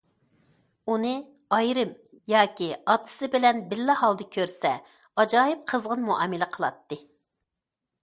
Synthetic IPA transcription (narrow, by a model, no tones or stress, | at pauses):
unɨ | ɑjɾɨm | jɑːkʲiɑt̪ʰːɨ̥sɨbɪlɛnbɪlːɪhɑlˠd̪ɨkʲʰøɾsɛ | ɑd͡ʒɑːjɨp̚qʰəzʁənmuʔɑ̰ːmɪlɪqʰəlˠɑt̪ːɨ